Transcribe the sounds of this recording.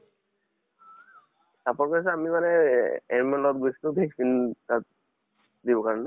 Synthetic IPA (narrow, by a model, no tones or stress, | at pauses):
tapɔɹkɔs̬ɛamimanɛɛɹmɔnɔt̚ɡustʊbʱeksintat | dibɔkaɹɔnɛ